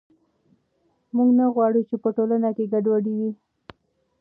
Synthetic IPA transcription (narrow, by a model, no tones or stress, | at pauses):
muɡnaɣwɑɽut͡ʃepəʈolanakeɡaɖwaɖiwi